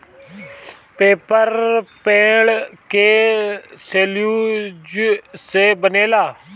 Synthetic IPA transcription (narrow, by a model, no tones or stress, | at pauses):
peːpəɾpẽːɽkeːseːljuːd͡ʒseːbəneːlaː